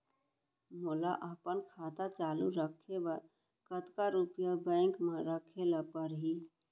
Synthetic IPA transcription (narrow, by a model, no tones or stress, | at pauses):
mʊlaʔəpənkʰaːt̪at͡ʃaːluɾəkʰeba | kət̪kaɾupjabɛ̃ːŋkmãɾəkʰeləpəɾɦi